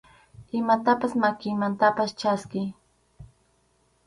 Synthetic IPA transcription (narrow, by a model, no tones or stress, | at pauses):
ɪmat̪apasmakɪjmant̪apast͡ʃaskɪj